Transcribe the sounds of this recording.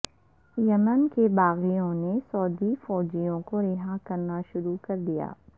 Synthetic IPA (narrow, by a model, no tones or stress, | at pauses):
jɐmənkebaːɣijõnesɔːd̪ifɔːd͡ʒijõkoɾɪɦakɐɾnaʃʊɾukɐɾd̪ija̰ː